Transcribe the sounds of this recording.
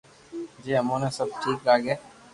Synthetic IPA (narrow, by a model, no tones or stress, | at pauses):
d͡ʒiːəmõːneːsəb̚ʈʰiːklaːɡeː